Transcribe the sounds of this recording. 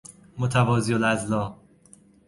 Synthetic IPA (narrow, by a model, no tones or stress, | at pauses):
mot̪ʰævɒːzijolæzlɒː